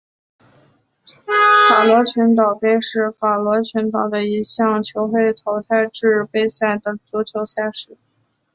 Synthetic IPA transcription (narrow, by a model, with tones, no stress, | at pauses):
fa˨˩lwɔ˧˥t͡ɕʰy˧˥nt̪̬ɑ˨˩ʊpe˥˧ɪʂɻ̩˥˩fa˨˩lwɔ˧˥t͡ɕʰy˧˥nt̪ɑ˨˩ʊd̪ə˦i˧˥ɕjɑ˥˩ŋt͡ɕʰjo˧˥ʊxwe˥˩ɪt̪ʰo˧˥ʊt̪ʰa˥˧ɪʈ͡ʂɻ̩˥˧pe˥˧ɪsa˥˩ɪd̪ə˩t͡su˧˥t͡ɕʰjo˧˥ʊsa˥˧ɪʂɻ̩˧˥